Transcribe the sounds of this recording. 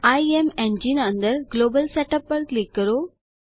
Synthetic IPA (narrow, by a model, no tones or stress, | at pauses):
aiemẽnd͡ʑinə̃nd̪əɾɡloːbəlseʈɐpːəɾklikːəɾo